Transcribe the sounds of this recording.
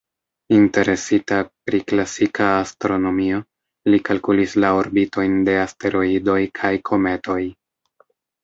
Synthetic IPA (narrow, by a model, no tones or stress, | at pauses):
inte̞ɾe̞sitapɾiklasikʰaːstɾo̞no̞mio̞ | likalkulislaoɾbito̞jnde̞aste̞ɾo̞ido̞jkʰajkʰo̞me̞to̞j